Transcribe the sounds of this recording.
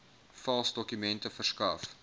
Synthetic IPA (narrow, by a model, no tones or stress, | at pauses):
fɐlˠsdɔkymɛntəfərskɐf